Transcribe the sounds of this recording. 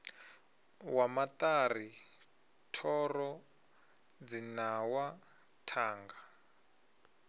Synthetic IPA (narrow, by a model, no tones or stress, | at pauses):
wamat̪ari | tʰɔrɔ | d͡zinawa | tʰaːŋɡa